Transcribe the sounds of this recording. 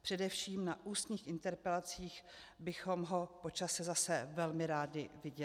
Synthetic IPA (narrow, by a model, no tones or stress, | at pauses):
pr̝̥ɛdɛfʃiːmnaʔuːst̪ɲiːxɪnt̪ɛɾpɛlat͡siːx | bɪxo̞mɦo̞po̞t͡ʃasɛzasɛvɛlmɪɾaːdɪvɪɟɛɪ